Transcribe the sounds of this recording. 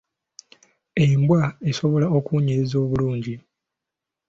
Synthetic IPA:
eimbwae̞so̞βo̞lao̞kuːɲeɾezo̞ːβuluːɲɟi

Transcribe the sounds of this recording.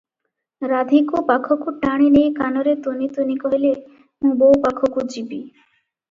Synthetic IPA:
ɾad̪ʱikopakʰokuʈaɽ̃inejkanoɾet̪onit̪onikoɦele | mũbowpakʰokud͡ʑibi

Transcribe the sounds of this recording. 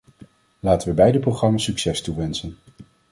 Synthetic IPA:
laːtənʋəbɛjdəprowχrɑmasːyksɛstuʋɛnsən

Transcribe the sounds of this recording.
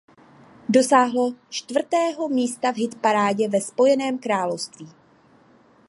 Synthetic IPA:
do̞saːɦlo̞t͡ʃt̪vr̩t̪ɛːɦo̞miːst̪avɦɪt̪paɾaːɟɛvɛspo̞jɛnɛːmkɾaːlo̞fst̪viː

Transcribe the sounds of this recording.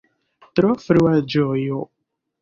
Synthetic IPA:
t̪ɾɔfɾuad͡ʒojo

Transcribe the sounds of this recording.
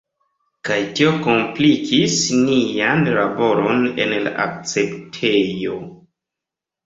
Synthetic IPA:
kajtio̞ko̞mplikʰisnianlabo̞ɾone̞̰nla̰ʔa̰k̚t͡se̞ptʰejo̞

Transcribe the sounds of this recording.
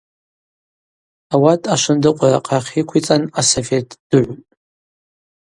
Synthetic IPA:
awatʼaʃʷɨndɨqʷʼara̰qʼaχʲikʷʰit͡sʼanasofetʼd̥ɨʕʷtʼ

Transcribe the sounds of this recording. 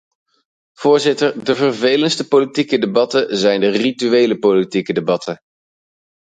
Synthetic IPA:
v̥ʊːɹzɪtəɹdəvərvejlənstəpolitikədebɑtənzɛjndərityʋejləpolitikədebɑtʰə

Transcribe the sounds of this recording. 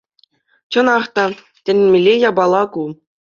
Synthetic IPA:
t͡ɕɤ̆nɑχt̪ɑ | tʲɘ̆nʲmʲelʲːejɑbɑlˠɑku

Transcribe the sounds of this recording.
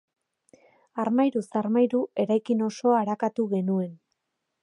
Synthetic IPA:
aɾmajɾusaɾmajɾue̞ɾajkino̞so̞aːɾakat̪uɣe̞nue̞n

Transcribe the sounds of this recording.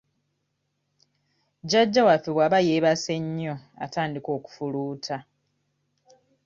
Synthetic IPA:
ɟaɟːawafiβwaβajeːβase̞ɲːo̞a̰taːndiko̞ːku̥fuluːtʰa

